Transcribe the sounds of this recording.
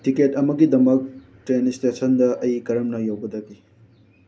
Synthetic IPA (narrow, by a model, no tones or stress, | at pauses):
tiketɐmɐɡidɐmɐk̚ | tɾenstesɐndɐʔɐjkɐɾɐmnɐjɐwbɐdɐɡi